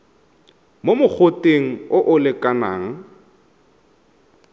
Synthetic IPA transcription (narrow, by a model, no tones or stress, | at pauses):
momʊk͡xʰotʼeŋ̩ʊʔʊlɪkʼanaːŋ̩